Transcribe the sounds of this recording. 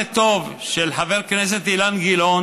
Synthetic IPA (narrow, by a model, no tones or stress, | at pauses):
et̪o̞vʃelħaveʁknes̬e̞t̪ilanɡilon